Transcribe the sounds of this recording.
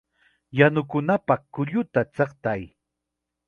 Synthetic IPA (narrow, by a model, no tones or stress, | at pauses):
janʊkʊnapɑχkʊʎʊt̪at͡sɑqt̪aj